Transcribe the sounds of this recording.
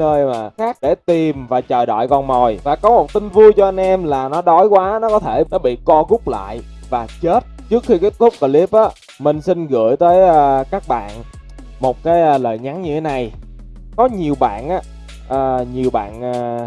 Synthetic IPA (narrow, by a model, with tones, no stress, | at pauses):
əː˧jmaː˨˩xaː˦˥k̚ɗe˧˩t̪i˨˩mvaː˨˩t͡ɕəː˨˩jɗɔ̰˧˨jkɔ˨˩nmo˨˩jvaː˨˩kɔ˨˦mo˨˩t̚t̪ï˧ŋvu˧jt͡ɕɔ˧ʔa˧jnʔɛ˧mlaː˨˩nɔ˨˦ɗɔ˨˦jkwaː˨˦nɔ˨˦kɔ˨˦t̪ʰe˧˩nɔ˨˦ɓḭ˧˨kɔ˧ɣʊ˦˥k͡p̚la̰ː˧˨j | vaː˨˩t͡ɕe˦˥t̚t͡ɕɨ˦˥ək̚xi˧keː˨˦˥t̚t̪ʰʊ˦˥k͡p̚kə˧˩li˦˥p̚ʔaː˨˦ | mï˨˩ŋ̟si˧nɣɨ̰˧˩əjt̪əː˨˦jəː˧kaː˦˥k̚ɓa̰ː˧˨n | mo˨˩t̚kaː˨˦jʔəː˧lə̰ː˧˨jŋa˨˦ŋɲɨ˧t̪ʰe˨˦na˨˩j | kɔ˨˦ɲi˨˩əwɓa̰ː˧˨nʔaː˨˦ | ʔəː˨˩ɲi˨˩əwɓa̰ː˧˨nəː˧˩